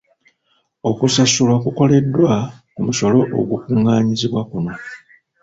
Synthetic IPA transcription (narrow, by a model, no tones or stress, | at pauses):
okusasulwakuko̞le̞dːwakumuso̞lo̞ʔo̰ɡukuŋɡaːɲiziβwakuno̞